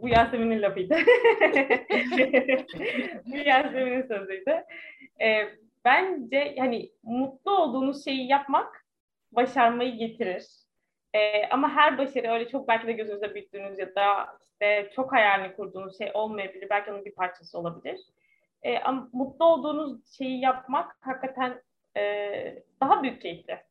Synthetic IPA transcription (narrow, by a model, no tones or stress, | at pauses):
bujaɾzemininlʲapɯjd̪ɯ | bujaɾemininsød̪yjd̪ɯɛː | bænd͡ʒɛjanɪmut̪̚lˠuo̞lˠd̪uːnuz̥ʃe̞jijapmak | baʃaɾmajɯɟe̞t̪ʰiɾiɾ̥ | ɛʔa̰maɦæɾbaʃaɾɯøjlʲɛt͡ʃʰo̞k̚bælʲcʰid̪ɛɟø̞zynyzɛbyjt̪ːyːnyzjad̪aiʃt̪ɛt͡ʃʰo̞khajaɾlinʲikʰuɾd̪uːnuzʃejʔo̞lˠmajabilʲiɾbælʲcʰionunbiɾpʰaɾt͡ʃʰasɯo̞lˠabilʲiɾ̝̥ | ɛ̰ːʔa̰mamut̪lˠuo̞lˠd̪uːnuzʃe̞jijap̚makhakːat̪ʰæn | ɛːd̪̥aɦabyjyc̚t͡ʃʰejilʲɪ